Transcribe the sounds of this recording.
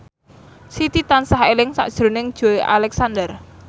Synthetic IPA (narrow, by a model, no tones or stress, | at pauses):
sit̪it̪ansaɦelɪŋsa̰ʔd̥ʒ̥ɾo̤nɪŋd̥ʒ̥o̤eʔa̰lɛksand̪ər